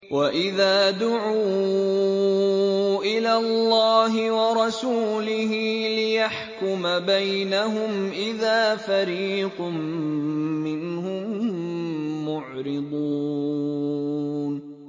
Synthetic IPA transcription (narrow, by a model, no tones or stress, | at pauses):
wʔaʔɪðaːd̪ʊʕuː | ʔɪlaːlːɑːɦɪwɑɾˤɑsuːlɪɦiːlɪjaħkʊmabajnaɦʊmʔɪðaːfaɾiːqmː | ɪnhʊmː | ʊʕɾɪd̪ˤuː | n